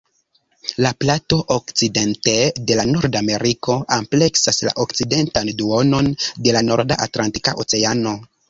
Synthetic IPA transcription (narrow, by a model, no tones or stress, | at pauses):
laplato̞ʔokt͡side̞nte̞de̞lanoɾdame̞ɾiko̞ʔample̞ksasla̰ʔok̚t͡side̞ntanduo̞no̞nde̞lano̞ɾda̰ʔa̰tlanti̥ka̰ʔot͡se̞ano̞